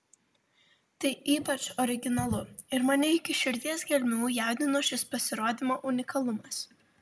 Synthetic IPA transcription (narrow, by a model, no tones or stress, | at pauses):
t̪ɐɪʔiːpɐt͡ʃɔɾʲɪɡʲɪnɐlˠʊɪɾmɐnʲɪɪkʲɪʃʲɪɾʲd̪ʲiɛsɡʲɛlʲmʲuːjæˑʊd̪ʲɪnoːʃʲɪspɐsʲɪɾoːd̪ʲɪmoːʔʊnʲɪkɐlˠʊmɐs